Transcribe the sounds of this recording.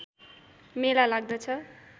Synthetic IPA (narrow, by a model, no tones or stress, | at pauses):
melalaɡ̚d̪ʌt͡sʰʌ